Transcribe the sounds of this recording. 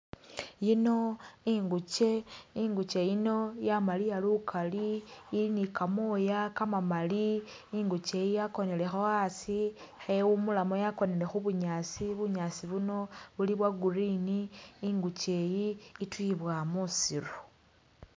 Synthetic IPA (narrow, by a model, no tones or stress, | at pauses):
jino̞iŋɡut͡ʃe̞iŋɡut͡ʃe̞jino̞jamalijalukʰaliːlinikamojakamamali | iŋɡut͡ʃe̞jijako̞ne̞le̞xoasixewumulamo̞jako̞ne̞le̞xuβuɲat͡siβuɲat͡siβuno̞βuliβwaɡuriniːŋɡut͡ʃe̞jiːtwiβwamusiɾu